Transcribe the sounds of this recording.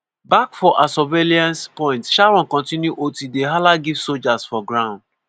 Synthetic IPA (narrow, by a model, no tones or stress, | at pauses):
bakfɔʔasoveliãnspɔ̃ɪ̃ntʃaɹɔ̃nkɔ̃ntĩnjuʔotideɦalaɡiv̥sold͡ʒasfɔɡɹãʊ̃nd̥